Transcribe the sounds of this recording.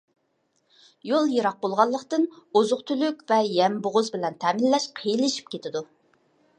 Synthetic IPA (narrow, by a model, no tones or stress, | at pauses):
jolˠjeɾɑq̚bolˠʁɑlˠːəqt̪ɨnozʊqt̪ʰylykʲvɛjɛmbʊʁʊzbɪlɛnt̪ʰɛmɪlːɛʃqʰəjilɪʃi̥p̚kʲʰet̪ɪd̪u